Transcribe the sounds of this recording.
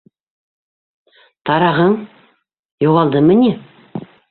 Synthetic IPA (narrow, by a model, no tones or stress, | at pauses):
t̪ʰɑɾɑʁəɴ | joʁɑlˠd̪əmɪne